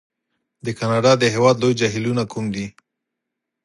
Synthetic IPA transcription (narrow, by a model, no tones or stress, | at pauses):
d̪əkɑnɑɖɑd̪əɦewɑd̪lojd͡ʒaɦilunakʰumd̪i